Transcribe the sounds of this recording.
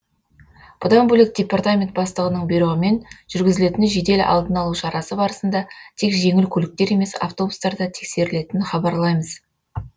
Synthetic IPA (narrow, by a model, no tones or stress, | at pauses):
b̥ʊd̪ɑmbɵlɪk̚d̥ʲe̞part̪amʲe̞nt̪bɑst̪ˠəʁənəɴbeɾuʁɪme̞nʒ̥ʏɾɡʲɪzɪle̞t̪ɪnʒe̞d̪e̞l̰ʔɑ̰lˠd̪ənɑlˠuʃɑɾɑsəbɑɾəsənd̪ɑt̪ʰe̞kʒe̞ŋɪlkʲʰɵlɪk̚t̪e̞ɾe̞me̞sa̰ft̪o̞bust̪ɑɾd̪ɑt̪ʰe̞kse̞ɾɪle̞t̪ɪnχɑbɑɾlˠɑjməz